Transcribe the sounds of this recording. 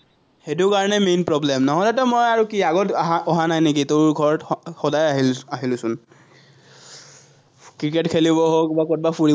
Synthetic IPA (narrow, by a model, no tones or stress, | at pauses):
xet̬ʊkaɹɔnɛmenpɹɔblɛmnɔɦɔdɛtɛmɔjaɹukiaɡɔtɦɔɦanajnek̬itoɹɡʱɔɹɔtxɔdajaɦiaɦilʊsʊn | kɹiketkʰeliβɔɦokbakɔt̚bafuɹi